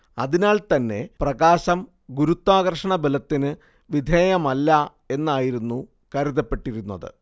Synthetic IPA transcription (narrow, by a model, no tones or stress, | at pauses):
ɐ̰ðinaːɭt̪ɐnːe̞̰prɐɣaːɕɐm | ɡuɾut̪ːaːɣɐrʂɐɳɐbelɐt̪ːinɨ | ʋid̪ʱeːjɐmɐlːɐ | e̞nːaːjiɾunːu | kɐɾuðɐpːe̞ʈːiɾunːɐ̰ðɨ̰